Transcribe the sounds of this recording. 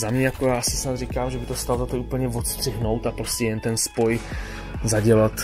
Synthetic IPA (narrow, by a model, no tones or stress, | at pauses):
zamɲɛjakojaːsɪsnad̪rikaːmʒɛbɪt̪ost̪alt̪at̪oʔuːpl̩ɲɛvot̪st̪r̥ɪɦno̞wt̪apɾoscɛjɛnt̪ɛnspo̞j | zaɟɛlat̪